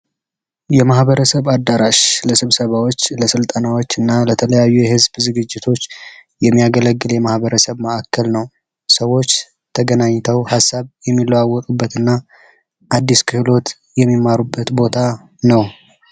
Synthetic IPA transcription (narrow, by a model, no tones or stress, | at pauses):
jɛmahbəɾəsəβad̪ːaɾaʃləsɨβsəβawo̞t͡ʃːləsɨlt̪ʼənawot͡ʃːɨnːalət̪ʰələjajːujɛhɨzbzɨɡɨd͡ʒːɪt̪ʰo̞t͡ʃː | jɛmːijaɡələɡːɨljɛmahβəɾəsəβməʔakʰːəlnəw | səwːo̞t͡ʃː | t̪ʰəɡənaɲːt̪ʰəwhasːaβjɛmːilːəwawɔt̪ʼubːət̪ɨnːa | ʔad̪ːiskʰɨhlo̞t̪ | jɛmːimːaɾubːət̪bo̞t̪ʰa | nəw